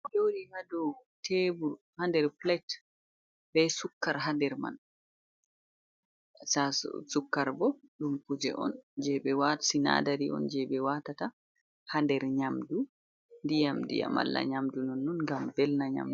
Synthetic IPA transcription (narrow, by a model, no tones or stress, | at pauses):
d͡ʒowɾihadɔtʰeːbuɾhandɛɾflɛt | bɛsukːaɾɦandɛɾma̰n | sasukːaɾbɔɗumkud͡ʒɛ̰ʔɔ̰nd͡ʒɛɓɛwatsina̰daɾiʔɔ̰nd͡ʒɛɓɛwatata | handɛɾɲamdu | ndijamdḭja̰ma̰lːa̰ɲamdunɔnːunŋɡambɛlnaɲa̰md